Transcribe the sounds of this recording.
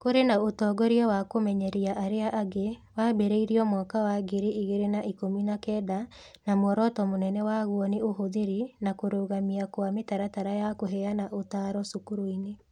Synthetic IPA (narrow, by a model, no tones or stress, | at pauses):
koɾenaotɔːɡɔɾiɔwakomɛɲɛɾiaʔaɾeaʔaɡewabɛɾeiɾiɔmɔkawaɡeɾeʔiɣeɾenaʔikominakɛːda | namɔɾɔtɔmonɛnɛwaɣwɔneoɦoðeɾinakoɾoːɣamiakwametaɾataɾajakoɦɛanaʔotaːɾɔsukuɾoine